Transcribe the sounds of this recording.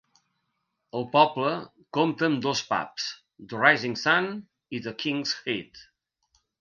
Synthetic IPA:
əlˠpɔblə | komt̪ənd̪ospa̰ps | d̪ərajziŋsan | iðəkʰiŋshet̪

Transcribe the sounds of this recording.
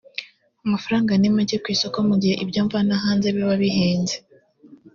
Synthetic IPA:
amafaɾaːŋɡanimuɟekwiːsokomuɟihe̞ʔibɟjoːɱvanaɦaːnzeβiβaβiɦeːɲze

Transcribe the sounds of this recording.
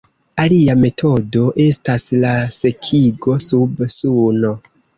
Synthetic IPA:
aliame̞tʰo̞do̞ʔe̞staslase̞kʰiɡo̞subsuno̞

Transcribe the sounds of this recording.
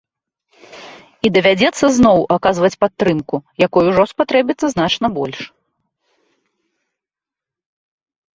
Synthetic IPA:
id̪ɐvʲad͡zʲɛt̪sːɐznɔwʔakazvɐt͡sʲpat̪ːɾɨmkujakɔjuʐɔspat̪ɾɛbʲit̪sːɐznat͡ʂnɐbɔlʲʂ

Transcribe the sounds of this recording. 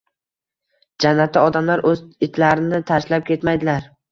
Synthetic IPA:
d͡ʒanːat̪ʰːɪɒd̪amlaɾʔɵzɪt̪ʰlaɾɪnɪt̪ʰaʃlap̚kʲʰe̞t̪majd̪ɪlaɾ

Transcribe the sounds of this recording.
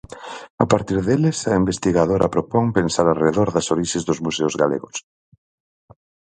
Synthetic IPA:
apaɾt̪iɾðelesɐimbest̪iɣaðoɾʔa̰pɾopoŋpensaɾareðoɾðɐsoɾiʃezðʊzmuseʊzɣalḛɣʊs

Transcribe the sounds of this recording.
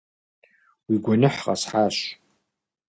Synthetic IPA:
wiɡʷanɨħqʼa̰sħaʃʷ

